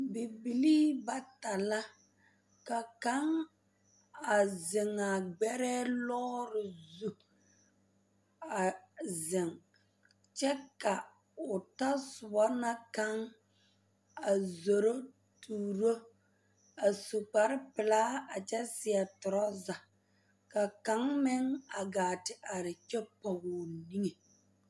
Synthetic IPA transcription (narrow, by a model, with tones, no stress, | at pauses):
bi˨bi˨liː˦ba˨ta˨la˦ | ka˨ka˦ŋ | a˨zɪ˨ŋa˨ɡ͡bɛ˦ɾɛː˦lɔː˦ɾɪ˨zu˨ | a˨zɪ˨ŋ | t͡ʃɛ˦ka˨ | ʊ˨ta˦sʊ˨bɔ˦na˦ka˦ŋ | a˨zo˨ɾo˦ | tuː˨ɾo˦ | a˨su˨k͡pa˨ɾɪ˦pɪ˨laː˦a˨t͡ʃɛ˦sɪ˨ɛ˨tʊ˨ɾɔ˦za˨ | ka˨ka˨˦ŋmɪ˦ŋa˨ɡaː˨tɪ˨ʔa˨ɾɪ˨t͡ʃɛ˦pɔ˨ɣɔː˨ni˦ŋe˨